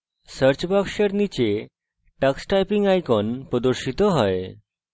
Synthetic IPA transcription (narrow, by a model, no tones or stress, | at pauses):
səɾt͡ɕbakɕəɾnit͡ɕe | ʈaksʈajpiŋɡajkɔnpəd̪oɾɕit̪ɔɦɔj